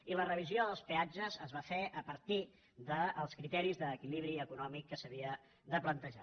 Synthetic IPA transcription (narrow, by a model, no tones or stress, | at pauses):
ilərəβ̞izioðəlˠspead͡ʒəzəzβafeʔəpəɾt̪i | ðəːlˠskɾit̪ɛɾizðəːkiliβ̞ɾiəkunɔmikːəsəβiə | ðəplənt̪əʒa̰